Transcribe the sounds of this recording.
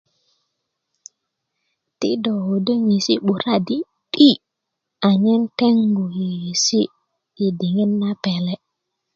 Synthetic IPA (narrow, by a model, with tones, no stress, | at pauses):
tḭ˦do˨ho˨də˦ŋi˨si˦ɓu˨ɾa˦di˦ | ɗi˦ | a˨ɲe˦nte˦ŋɡu˨ji˨ji˨si˦ | i˨di˨ŋe˦nːa˦pe˨le˦